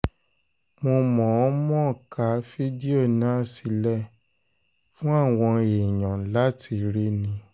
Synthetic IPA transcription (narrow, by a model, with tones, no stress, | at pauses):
mo˧mɔ̃˨ɔ˦mɔ̃˦˨ka˨˦fi˦di˦o˦˨nã˦˨si˧lɛ˦˨ | fũ˦a˦˨w̃ɔ̃˧e˨ɲ̃ã˨˦la˦ti˧ɾe˦nĩ˧